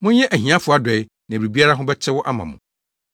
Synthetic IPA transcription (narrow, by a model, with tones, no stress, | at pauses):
mʊ̃˦ɲɛ̃˦ʔæ˨ɦĩ˨ã˦fʊ˨˦˨a˨dɛ˨j | nã˨wi˨bi˦a˦ɾa˦ɦʊ̃˦bɛ˦t͡ɕʰɪ˦wɔ˦ʔa˦mã̰˨mʊ̰̃˨